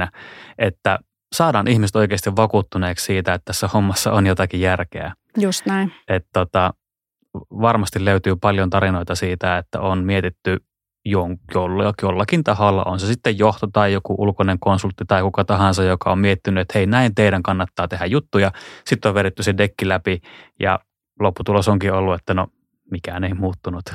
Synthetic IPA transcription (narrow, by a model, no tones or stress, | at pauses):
æʔet̪ːæ | sɑːdɑːnʔihmiset̪oˑikeːst̪iʋʋɑkut̪ːuneːkssiːt̪æet̪t̪ːæsːæhomːɑsːɑonjot̪ɑkijjærkeæ̰ | just̪næinʔet̪t̪ot̪ɑ | ʋɑrmɑst̪illøyt̪yːpɑljont̪ɑɾinoit̪ɑsiːt̪æet̪ːæ̰onmiet̪it̪ːy | joŋjolːjolːɑkint̪ɑholːɑ̰ʔonsesit̪ːejjoht̪ot̪ɑijokuʔulkoneŋkonsult̪ːit̪ɑikukɑt̪ɑhɑnsɑjjokɑommiet̪ːinːyet̪heinæint̪eiɾæŋkɑnːɑt̪ːɑːt̪ehæjjut̪ːujɑsit̪ːoʋʋeɾet̪ːysedekːilæpijɑ̰ | lopːut̪ulosoŋkiolːuet̪ːæno | mikæneimuːt̪ːunut̪